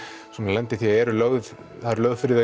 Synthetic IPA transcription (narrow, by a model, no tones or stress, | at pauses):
sɔːnalɛnt̪ɪθiaɛɾʏlœɣð | θaðɾlœːɣðfɪɾɪða